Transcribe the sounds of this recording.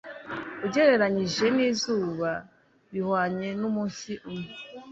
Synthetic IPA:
uɟeɾe̞ɾaɲiʒe̞niːzuːβa | βihwaːɲenumuːnsiʔume

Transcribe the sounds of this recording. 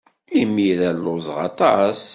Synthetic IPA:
imiɾælːozˤʁɑ̰t̪ˤɑs

